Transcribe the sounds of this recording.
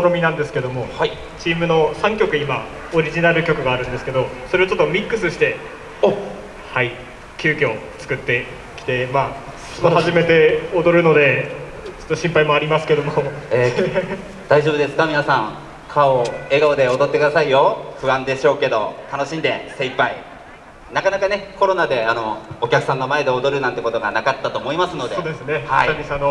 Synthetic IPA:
ɾomʲinãnd̪e̞sɨ̥ke̞d̪o̞mo̞hai | t͡ɕiːmɯ̟no̞sãŋkʲo̞kɯ̟ima | oɾʲiʑinaɾɯ̟kʲo̞kɯ̟ɡaːɾɯ̟̃nd̪esɨ̥ke̞d̪o̞so̞ɾe̞ot͡ɕo̞t̪ːo̞mʲikːɯ̟sɨɕi̥t̪e̞ | o | hai | kʲɨːkʲo̞ː | t͡sɨ̥kɯ̟t̪ːe̞ | kʲi̥t̪e̞maː | o̥t̪ːohaʑime̞t̪e̞od̪o̞ɾɯ̟no̞d̪e̞ | t͡ɕo̥t̪ːoɕĩmpaimo̞aɾʲimasɨ̥ke̞d̪o̞moeː | d̪̥aiʑo̞bɯ̟d̪e̞sɨ̥kamʲinasãŋ | kʰao̞e̞ɡaod̪e̞od̪o̞t̪ːe̞kɯd̪asaijo̞ɸɯ̟βãnd̪e̞ɕo̞ːke̞d̪o̞̰t̪ano̞ɕĩnd̪e̞sẽ̞ipːai | nakanakane̞ko̞ɾo̞nad̪e̞ano̞ːkʲakɯ̟sãnːo̞mae̞d̪eod̪o̞ɾɯ̟nãnt̪ːe̞ko̞t̪o̞ɡa̰nakat̪ːat̪o̞ːmo̞imasɨno̞d̪eoːd̪esɨnehaiisano

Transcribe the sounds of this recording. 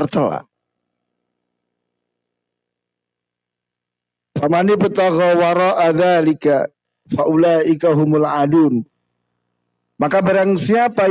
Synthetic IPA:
rt̪əla̰ | famanipət̪aɣɔwaɾˤɑːʔaðaːlɪka̰ | faʔulaːʔɪkaɦʊmʊlʕaduːn | makabaɾaŋsiapa

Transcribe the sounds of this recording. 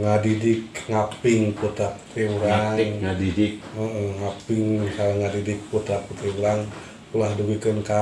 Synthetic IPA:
ŋadidɪkŋapɪŋput̪ap̚u̥t̪ɾiuɾaadidik̚əʔəŋapɪŋsalaŋadidɪk̚put̪aput̪ɾiuɾaŋ | pulahduɡukənka

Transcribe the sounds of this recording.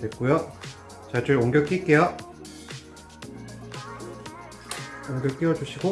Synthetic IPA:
wet̚k͈ojo | t͡ɕat͡ɕuɾoŋɡʲjʌɭk͈ik͈ejʌ | oŋɡjʌɭk͈iwʌd͡ʑuɕʰiɡo

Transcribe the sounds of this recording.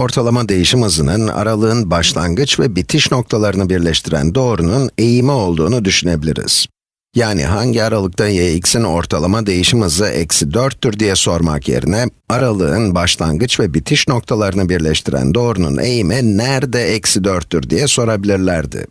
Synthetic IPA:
o̞ɾt̪ʰalˠamad̪e̞jiʃimɯzɯnɯna̰ɾalˠɯɯnbaʃlˠa̰ŋɡɯt͡ʃvɛbit̪ʰiʃno̞k̚t̪ʰalˠaɾɯnɯbiɾlʲɛʃt̪ʰiɾæ̰nd̪o̞ːɾunune̞jimio̞lˠd̪uːnud̪yʃyne̞bilʲḭɾḭz̥ | jaːnḭɦaɲɟiaɾalˠɯk̚t̪ʰajejicsino̞̰ɾt̪ʰalˠamad̪e̞jiʃimɯzɯʔɛ̰csid̪øɾt̪ːyɾd̪ijɛso̞ɾma̰kjḛɾḭnɛ | aɾalˠɯɯnbaʃlˠaŋɡɯt͡ʃvɛbit̪ʰiʃno̞k̚t̪ʰalˠaɾɯnɯbiɾlʲɛʃt̪ʰiɾæ̰nd̪o̞ːɾunṵnʔejimɛnæɾd̪ɛɛcsid̪øɾt̪ːyɾd̪ijɛso̞ɾabilʲiɾlʲæɾd̪ɪ̰

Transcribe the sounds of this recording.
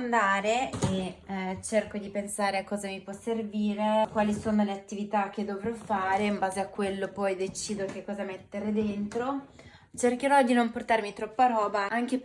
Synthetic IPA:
nd̪aːɾeet͡ʃerkod̪ipensaːɾeakːɔːzamipwɔsːerviːɾekwaːlisoːnoleat̪ːivit̪ak̟ːed̪ːovɾɔfaːɾeimbaːzeakːwelːopɔjd̪et͡ʃiːd̪ok̟ekːɔːzamet̪ːeɾed̪ent̪ɾo | t͡ʃerk̟eɾɔd̪inomport̪aɾmit̪ɾɔpːaɾɔːbaaŋk̟e

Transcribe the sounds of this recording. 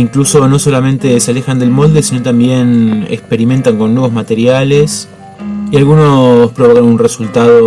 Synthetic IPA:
iŋkluso̞no̞so̞lamẽ̞nt̪e̞seale̞xand̪e̞lmo̞ld̪e̞sino̞t̪ambje̞nekspe̞ɾime̞nt̪aŋko̞nːwe̞βo̞zmat̪e̞ɾjale̞s | ialɣuno̞spɾoβo̞kanunresult̪aðo

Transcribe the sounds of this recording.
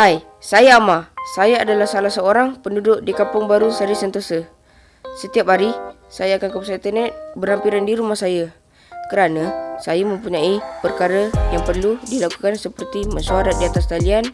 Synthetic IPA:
aj | sajaːmasajaadalahsalasəoɾaŋpəndudʊʔdikapʊŋbaɾusaɾisənt̪osə | sət̪iap̚ɦaɾi | sajaːkankəpsat̪ənɛt̪̚bərhampiɾandiɾumahsaja | kəɾanasajamə̃mpuɲãipərkaɾəjaŋpərludilakukansəpərt̪imənsuaɾat̪̚diat̪ast̪alian

